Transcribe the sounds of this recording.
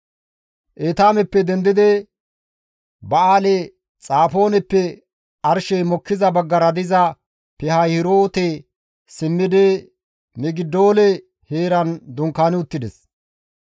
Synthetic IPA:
ʔeːt̪aːmɛpːɛd̪ɛnd̪ɪd̪ɛ | bɐaːlɛ | t͡sʼaːfo̞ːnɛpːɛ | ɐɾʃɛjmɔkːɪzɐbɐɡːɐɾɐd̪ɪzɐ | pɛhɐjhɪɾoːt̪e | sɪmːɪd̪ɛ | mɛɡɪd̪ːo̞ːlɛ | heːɾɐnd̪ʊŋkːaːnɪʊt̪ːɪd̪ɛs

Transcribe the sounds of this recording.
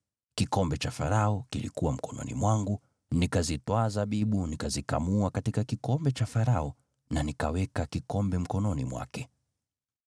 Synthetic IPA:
kikɔmbɛt͡ʃafaɾaɔkilḭkuwam̩kɔnɔ̰nḭmwaŋɡu | nikazitwaːzaɓiɓunikazika̰muakatikakikɔmbɛt͡ʃafaɾaɔ | nanikawɛkakikɔmbɛm̩kɔnɔnimwa̰kɛ

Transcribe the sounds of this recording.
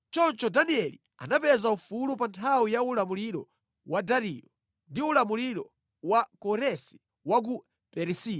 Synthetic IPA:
t͡ʃɔnt͡ʃɔdaniɛli | a̰napɛzaufulupantʰawijaulamuliɾɔ̰ | wadaɾijɔ | ndiulamuliɾɔ | wakɔɾɛsi̥ | wak̬u | pɛɾisi

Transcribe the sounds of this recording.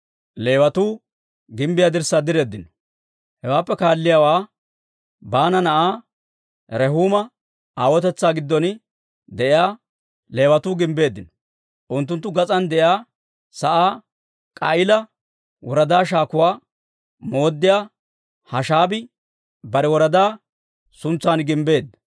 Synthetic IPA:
le̞ːwɐt̪uː | ɡɪmbɪjaːd̪ɪɾsːaːd̪ɪɾe̞ːd̪ːɪnɔ̥ | hɛwaːpːɛkaːlːɪjaːwaː | baːnɐnɐʔaː | ɾɛɦuːmɐ | aːwɔt̪ɛt͡sːaːɡɪd̪ːɔn | d̪ɛʔɪjaː | le̞ːwɐt̪uːɡɪmbe̞ːd̪ːɪnɔ | ʔʊnt̪̬ːʊnt̪ːʊɡɐt͡sʼɐnd̪ɛʔjaː | sɐʔaː | kʼɐɪlɐ | wɔɾɐd̪aːʃaːkʊwaː | mo̞ːd̪ːɪjaː | hɐʃaːbɪ | bɐɾɛwɔɾɐd̪aː | sʊnt͡sːaːnɡɪmbe̞ːd̪ːɐ̥

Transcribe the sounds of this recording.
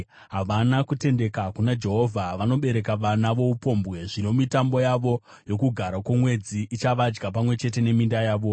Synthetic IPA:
ɦaʋanakute̞nde̞kakunad͡ʒe̞ɦo̞vʱaʋano̞ɓe̞ɾe̞kaʋanaʋo̞upo̞mbɣe̞ʐino̞mitambo̞jaʋo̞ | jo̞kuɡʱaɾakwomwe̞d͡ziʔit͡ʃaʋad͡ʒɡapamwe̞t͡ʃe̞t̬e̞ne̞mindajaːʋo̞

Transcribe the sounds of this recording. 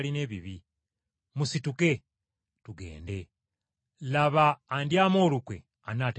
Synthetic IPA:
line̞ːβiβi | musituke̞ | tuɡe̞̰ːnde̞ | laβaːndjaːmo̞ːlukwe̞̰ | anat

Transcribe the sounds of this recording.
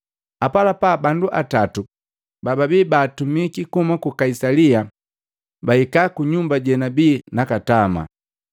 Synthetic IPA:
apalapabanduʔatatu | bababiːbaːtumikikumakukaisalia | baikakuɲumbaɟɛnabiːnakatama̰

